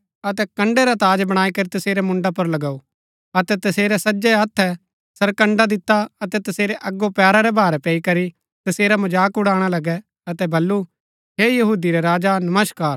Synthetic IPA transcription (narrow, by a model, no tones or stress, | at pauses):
ɐt̪ɛkɐ̃ɳɖɛɾat̪aːd͡ʒbɐɽ̃aːikɐɾit̪ɐseːɾɛmʊ̃ɳɖapɐɾlɐɡau | ɐt̪ɛt̪ɐseːɾɛsɐd͡ʒɛɐt̪ʰːɛ | sɐɾkɐ̃ɳɖad̪ɪt̪ːaɐt̪ɛt̪ɐseːɾɛʔɐɡːopɛːɾaɾɛbʱaːɾɛpɛːikɐɾi | t̪ɐseːɾamɐd͡ʒaːkʊɽaːɽ̃alɐɡɛ | ɐt̪ɛbɐlːu | ɦeːjɐɦuːd̪iɾɛɾaːd͡ʒanɐməskaːɾ